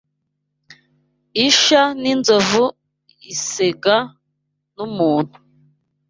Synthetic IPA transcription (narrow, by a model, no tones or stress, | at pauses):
iʃaninzovu | iseɡa | numuːn̥hu̥